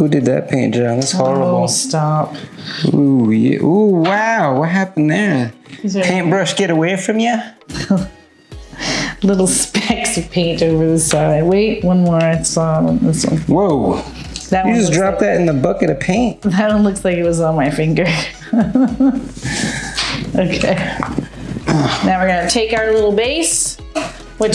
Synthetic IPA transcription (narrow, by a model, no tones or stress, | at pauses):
hudɨd̪̚ðɨ̰t̚pʰẽɪ̃nd̥ʒ̥ɑ̃nɨtshɔɹəostɑp̚ujɨ̰ʔuwaʊwʌt̚ɦæpn̩ðə˞ | pʰẽɪ̃nbɹʌʃɡ̥ɛɾəweɪfɹʌ̃mjɨ | lɪɾl̩ˠspɛksʌv̥pʰẽɪ̃ntoʊvə˞ðɪsaɪlaɪweɪt̚wʌ̃nmɔɹaɪsɔɾə̰̃nɪsʌ̰̃nwoʊ | ðɨt̚jɨd͡ʒʌsdɹɑp̚ðɨɾɨ̃n̩ðəbʌkɨɾɨpʰẽɪ̃nt̚ðɨt̚õnlʊk̚slaɪkɨt̚wʌzn̩maɪfɪ̃ŋɡə˞ | oʊkʰeɪ | naʊwə˞ɡʌnɨtʰeɪkaʊə˞lɪɾl̩ˠbeɪs | wʌ